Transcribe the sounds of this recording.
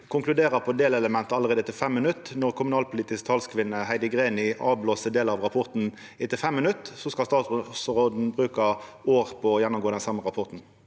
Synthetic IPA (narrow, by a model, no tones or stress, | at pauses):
kʰʊŋklʉd̪eːʁəpʰɔd̪eːlɛləmɛnt̪əɑləʁeːd̪ət̪ʰɪfɛmːənʉt̪ːnɔʁkʰʊmʉnɑːlpʰʊliːt̪ɪskt̪ʰɑlskʰʋɪnːəhæɪd̪əɡʁeːnɪʔɑ̰ːʋbloːsəd̪eːləɑʋʁɑpʰɔʁt̪n̩ | ɪt̪ɪfɛmːənʉt̪ːsɔskɑlst̪ɑːssʁoːd̪n̩bʁʉːkəoːʁpʰɔːjɛnːʊmɡoːd̪ɛnsɑmːəʁɑpʰɔʁt̪n̩